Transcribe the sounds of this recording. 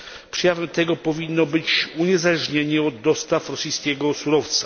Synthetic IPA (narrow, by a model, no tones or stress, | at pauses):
pʂɛjavɛmt̪ɛɡɔpɔvʲinːɔbɘt͡ɕuɲɛzalɛʐɲeɲɛɔd̪ːɔst̪afɾɔsʲijskʲɛɡɔsuɾɔft̪sa